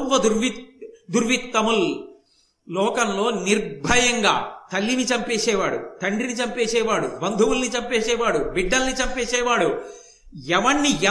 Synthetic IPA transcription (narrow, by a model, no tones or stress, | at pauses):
ʋɐd̪uɾʋid̪uɾʋit̪ːɐmul | lɔːkɐnlo̞ːniɾbʱɐjɐŋɡa̰ːt̪ɐlːinit͡ʃɐmpeːsɛːʋaːɽṵt̪ɐɳɖinit͡ʃɐmpeːsɛːʋaːɽubɐnd̪ʱuʋulnit͡ʃɐmpeːsɛːʋaːɽubiɖːɐlnit͡ʃɐmpeːsɛːʋaːɽu | ɛʋɐɳːiɛ